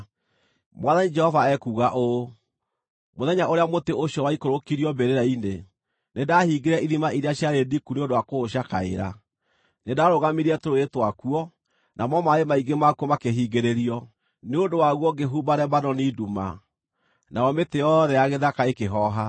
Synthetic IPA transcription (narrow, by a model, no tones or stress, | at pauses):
mwaðanid͡ʒɛhɔvaɛkuɣaʔo | moðɛɲaʔoɾeamoteʔoɕjɔwaikoɾokiɾiɔbeɾeɾaine | nedahiːɡeɾɛʔiðimaiɾeaɕjaɾedikuneondowakooɕakaḛɾa̰ | nedaɾoɣamiɾiɛtoɾoetwakuɔ | nʔamɔmaemaiɡemakuɔmakeɦiɡeɾeɾiɔ | neodowaɣwɔɡeɦubaɾɛbanɔniduma̰ | naɔmetejɔðɛjaɣeðakaekeɦɔɦa